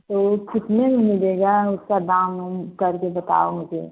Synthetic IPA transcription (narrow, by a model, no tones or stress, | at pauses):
t̪okʰɪt̪memimɪleɡaʊskad̪ãmːekəɾkebət̪a̰omʊd͡ʒḛ